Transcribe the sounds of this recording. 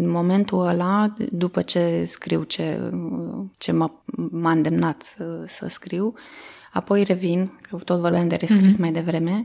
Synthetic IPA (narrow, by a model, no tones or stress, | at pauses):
nmo̞me̞nt̪uəlad̪upət͡ʃe̞skɾiwt͡ʃḛ | t͡ʃe̞mamaɨnd̪e̞mnat̪sə̰skɾiwapo̞jre̞vinkʰət̪o̞t̪vo̞rbamd̪e̞ɾe̞skɾismajd̪e̞vɾe̞me̞